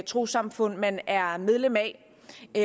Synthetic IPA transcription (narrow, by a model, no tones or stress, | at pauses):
t͡sʰʁo̝̰ːsɑ̈mfɔ̽n̰mænæɐmeð̞ˠlemæ | e